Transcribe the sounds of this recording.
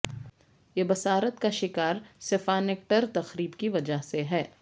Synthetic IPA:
jebɐsaːɾət̪kaʃɪkaːɾsɪfaːnek̚ʈəɾt̪ɐxɾiːbkiʋɐd͡ʒaɦseɦɛː

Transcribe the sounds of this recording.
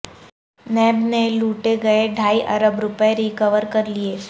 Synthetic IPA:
nɛːbneluːʈeɡɐeɖʱaːiʔɐɾəbɾʊpeɾikəʋəɾkəɾlieː

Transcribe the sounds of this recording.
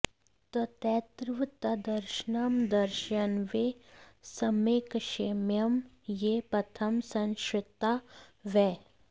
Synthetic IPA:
t̪ɐt̪ɛːt̪ɾʋt̪ɐd̪ɐɾʃnamd̪ɐɾʃɐnʋesɐmeːkʃemjɐm | jepɾɐt̪ʰɐmsɐ̃nʃɪt̪aʋɛː

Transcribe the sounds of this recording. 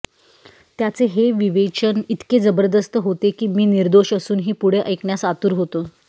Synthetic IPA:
t̪jat͡seɦeʋiʋet͡ɕənit̪ked͡zəbəɾd̪əst̪əɦot̪ekiːmiːniɾd̪oɕəsuːnɦiːpuɽ̤eʔəjkɳjasat̪uɾɦot̪oː

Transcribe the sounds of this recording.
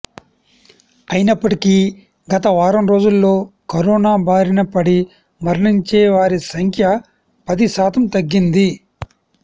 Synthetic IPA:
ɐjinɐpːɐʈiki | ɡɐt̪ɐʋaːɾɐmɾo̞ːd͡ʒulːo̞ːkɐɾɔːnaːbʱaːɾinɐpɐɽi | mɐɾɳiɲt͡ʃɛːʋaːɾisɐŋkʰjɐ | pɐd̪iʃaːt̪ɐmt̪ɐɡːind̪i

